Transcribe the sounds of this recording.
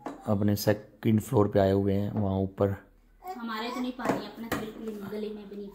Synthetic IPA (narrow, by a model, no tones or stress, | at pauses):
əpnesɛːkːɪ̃ɳɖpʰloːɾpeaːeɦʊeɦɛ̃ːʋɐɦãːʊpːəɾ | ɦəmaːɾeɪt̪nẽpaːniəpnakʰeːlkɪñɡəlemɛ̃bəni